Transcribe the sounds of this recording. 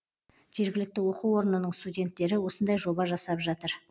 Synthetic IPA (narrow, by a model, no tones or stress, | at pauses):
ʒ̥e̞ɾɡʲɪlɪk̚t̪ɪwo̞quwo̞ɾnənəɴst̪udʲe̞nt̪ːe̞ɾɪwo̞sənd̪ɑjʒo̞bɑʒɑsɑpʒɑt̪əɾ